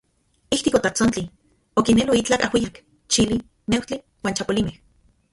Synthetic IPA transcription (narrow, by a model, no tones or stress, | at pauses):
iht̪ikot̪at͡sont͡ɬi | okinelwiit͡ɬakahwijak | t͡ʃili | newt͡ɬi | waːnt͡ʃapolimeh